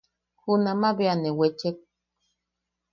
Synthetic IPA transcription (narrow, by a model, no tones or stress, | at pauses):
hunamaβeanewet͡ʃek̚